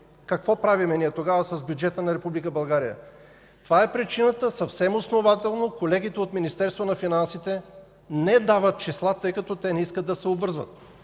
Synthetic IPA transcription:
kɐkvɔpɾavimɛniɛt̪oɡavəsɐzbjud͡ʒɛt̪ənɐɾɛpublikəbɐlˠɡaɾijə̰ | t̪ovaɛpɾit͡ʃinət̪əsɐfsɛmosnovat̪ɛlˠnokolɛɡ̟it̪ɛot̪minist̪ɛɾst̪vonɐfinansit̪ɛ | nɛd̪avət̪̚t͡ʃislˠat̪ɤjkɐt̪ɔt̪ɛnɛiskəd̪d̪ɐsɛobvɤɾzvə̰t̪̚

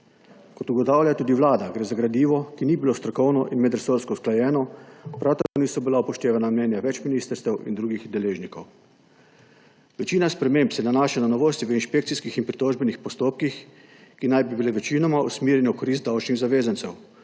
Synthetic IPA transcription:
kɔt̪uɡɔt̪aːwlʲjat̪uːd̪iʋlaːd̪aɡɾeːzaɡɾad̪iːʋɔkiniːbiloːst̪ɾɔkɔwnɔʔinmɛd̪ɾɛsoːɾskɔsklajɛːnɔpɾawt̪akoːniːsɔbilaupɔʃt̪eːʋanamnɛːnjaʋɛt͡ʃminiːst̪əɾst̪ɛwḭnd̪ɾuːɡixd̪ɛleːʒnikɔw | ʋɛt͡ʃiːnaspɾɛmempsɛnanaːʃananɔʋoːst̪iʋəinʃpek̚t̪siskixinpɾit̪oːʒbɛnixpɔst̪oːp̚kix | kinajbibileʋɛt͡ʃiːnɔmaṵsmiːɾjɛnɛukɔɾis̬t̪̚d̪awt͡ʃniɣzaʋeːzantsɛw

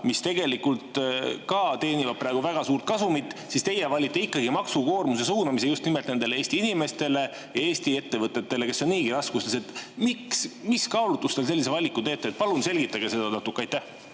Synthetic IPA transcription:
mist̪e̞ɡe̞likult̪kɑt̪e̞ːnivɑb̚præeɡ̥uvæɡ̥ɑsuːɾrt̪̚kɑsumit̪ːˑsist̪e̞jevɑlʲːit̪ːˑeikːɑɡimɑksuko̞ːrmuse̞suːnɑmisejust̪nimelt̪ne̞nd̪eleeːsʲt̪iinime̞st̪e̞le̞ | jɑe̞ːsʲt̪ie̞t̪ːe̞vɤt̪ːˑe̞t̪ːe̞le̞ke̞sːo̞nniːɡiɾɑskust̪ese̞t̪miksmiskɑolut̪ːˑust̪elselːisevɑlʲikːut̪e̞ːt̪ːˑeet̪̚pɑlunse̞lɡ̥it̪ːˑɑɡ̥e̞se̞d̪ɑnɑt̪ukːˑeɑjt̪ːæh

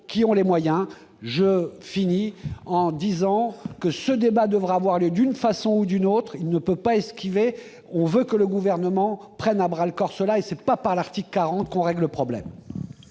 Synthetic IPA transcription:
kʲiɔ̃lemwajɛ̃ | ʒəfiniɑ̃d̪izɑ̃kəsəd̪ebad̪əvʁaːvwaʁljød̪ynfasɔ̃ud̪ynot̪χilnəpøpaɛskʲive | ɔ̃vøkələɡuvɛʁnəmɑ̃pχɛnabʁalkɔʁsəlaesɛpapaʁlaʁt̪iklkːaʁɑ̃t̪kɔ̃ʁɛɡləpχɔblɛ̰m

